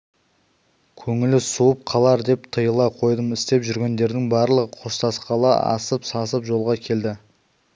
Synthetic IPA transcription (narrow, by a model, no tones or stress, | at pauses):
kʲʰɵŋɪlɪsuəp̚qʰɑlˠɑɾd̪e̞p̚t̪ʰəjəlˠɑqʰo̞jd̪əmɪst̪e̞pʒʏɾɡʲe̞nd̪e̞ɾd̪ɪŋbɑɾlˠəʁəqʰo̞st̪ɑsqɑlˠɑɑ̰səpsɑsəpʒo̞lˠʁɑkʲʰe̞ld̪ɪ